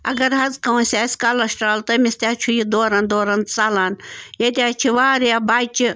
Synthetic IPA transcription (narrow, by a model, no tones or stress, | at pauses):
ɐɡɐɾɦɐzkɐwũsʲaːsʲkɐlɐsʈaːlt̪ɐmisʲt̪ʲaːt͡ʃʰujid̪oːɾɐnd̪oːɾɐnt͡sɐlaːnjet̪ʲaːt͡ʃʰiʋaːɾjabaːt͡ʃi